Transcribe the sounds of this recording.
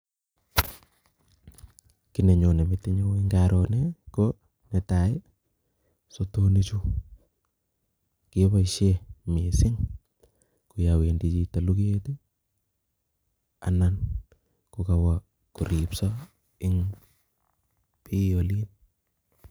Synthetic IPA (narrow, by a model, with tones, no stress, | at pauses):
kine˨ɲo˨ne˨mɪtːɪɲo˦ɪ˦ŋɡaɾoneko | nɛ˨ta˨ɪ˦ | sotonit͡ʃu˦ | keba˨ʃemi˨sɪ˦ŋ | kujawendi˨t͡ʃi˦ta˨luke˦ti˦ | a̰nan | koka˨wa | ku˨ɾi˨psɔ˦ | ɪ˦ŋ | pi˦oli˦n